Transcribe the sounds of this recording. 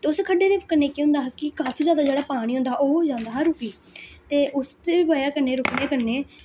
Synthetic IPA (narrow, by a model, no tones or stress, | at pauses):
t̪eːʊskʰəɖeːd̪eːpkəɾneːkiɦʊ̃nd̪aːɦkɪkaːpʰiːzjaːd̪aːd͡ʒeːɽaːpaːɽ̃iːɦʊ̃nd̪aːoːd͡ʒãːnd̪aːɦɾʊkiː | t̪eːʔʊst̪ebaːjaːkəɾneːɾʊkneːkəɾneː